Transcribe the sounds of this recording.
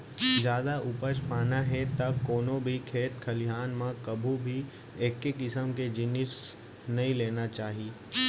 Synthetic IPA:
zjaːd̪aʔʊpət͡ʃpaːnaɦet̪ɐkoːnobʱikʰeːt̪kʰɐlɪɦaːnmãkɐbʱubʱi | eːkːekɪsəmked͡ʒɪnɪs | nɐĩleːnat͡ʃaːɦiː

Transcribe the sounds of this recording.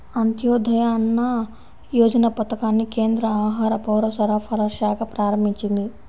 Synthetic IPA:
ɐnt̪joːd̪ʱɐjaːnːɐ | joːd͡ʒɐnɐpɐt̪ɐkaːnːikeːnd̪ɾɐaːɦaːɾɐpɐwɾɐsɐɾɐpʰɐɾɐɾʃaːkɐpɾaːɾɐmiɲt͡ʃind̪i

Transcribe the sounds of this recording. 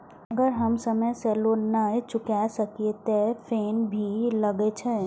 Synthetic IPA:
əɡəɾɦəmsəməsɛlonat͡ʃʊkasəkiet̪epʰeːnbʱiləɡet͡ʃʰɛ

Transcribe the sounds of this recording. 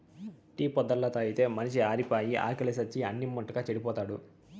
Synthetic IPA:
ʈiːpɔd̪ːɐlːɐt̪ɐːjit̪e̞ːmɐniʃiaːɾipaːjiʔa̰ːkɐlisɐt͡ʃːiɐ̰nːimːɐʈːɐkaːt͡ʃeɽipɔːt̪aːɽu

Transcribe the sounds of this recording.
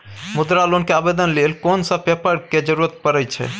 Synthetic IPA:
mud̪ɾalonkeabed̪ənlelkonsəb̚bepəɾked͡ʒəɾuɾət̪̚pəɾɛjt͡ʃʰɛ̰

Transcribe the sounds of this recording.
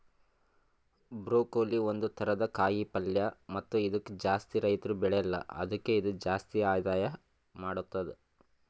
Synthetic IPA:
bɾoːkoːlio̞nd̪ut̪ʰɐɾɐd̪ɐkaːjipɐljɐmɐt̪ːuid̪ɐkːed͡ʒaːst̪iɾɐjt̪ɐɾubɛɭɛjɐlːɐ̰ɐ̰d̪ɐkːe̞id̪ud͡ʒaːst̪iaːd̪aːjɐ | maːɽut̪ːɐd̪e

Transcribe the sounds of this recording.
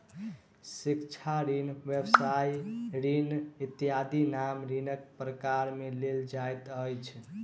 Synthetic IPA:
sikt͡ʃʰaɾinʋjəbsajɾinit̪ijad̪inamɾinək̚pɾəkaɾmeleld͡ʒajt̪əjt͡ʃʰ

